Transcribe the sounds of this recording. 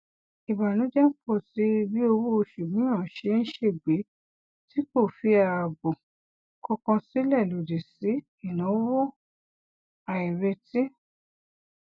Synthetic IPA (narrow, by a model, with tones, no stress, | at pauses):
i˨ba˨nũ˨˦d͡ʒɛ˦k͡pɔ˦˨ti˨˦˧bi˦o˧wo˦o˧˨ʃu˨bĩ˨˦ã˨ʃe˨˧˦ñ̩˦ʃe˦˨ɡ͡be˨˦ | ti˦ko˦˨fi˧˦a˧a˧˨bo˨ | kɔ˧kã˧si˨˦lɛ˦˨lo˨di˨si˨˦ | i˦˨nã˨˦wo˦˨ | a˨i˨ɾe˧ti˦